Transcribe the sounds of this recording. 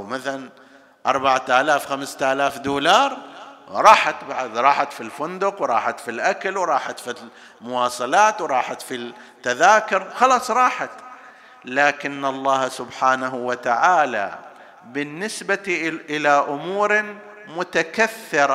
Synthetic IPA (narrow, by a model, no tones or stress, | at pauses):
wmaθalan | ʔɑ̰ɾˤbaʕat̪ʔalaːfxamst̪ʔalaːfd̪uːlɑːɾˤɾˤɑːħat̪baʕad̪ɾˤɑːħat̪filfʊnd̪ʊqwɾˤɑːħat̪filʔakalwɾˤɑːħat̪fi | mʊwɑːsˤɑlaːt̪wɾˤɑːħat̪fi | t̪ːaðaːkʊɾˤxɑlɑːsˤɾˤɑːħat̪ | laːkɪnːɑlˤːɑːhsʊbħaːnaɦwat̪aʕaːla̰ | bɪnːɪsbaʔɪlaʔʊmuːɾ | mʊt̪akaθːɪɾˤɑ